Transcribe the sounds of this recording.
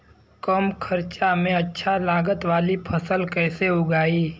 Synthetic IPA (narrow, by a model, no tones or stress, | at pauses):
kəmkʰɐɾt͡ʃamẽɐtːʃʰalaːɡət̪ʋaːlipʰɐsəlkɛːseʊɡaːiː